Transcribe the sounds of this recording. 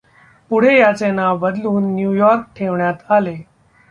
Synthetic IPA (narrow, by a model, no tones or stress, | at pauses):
puɽ̤ejat͡senabəd̪luːnːjujɔɾk̚ʈʰeʋɳjat̪ale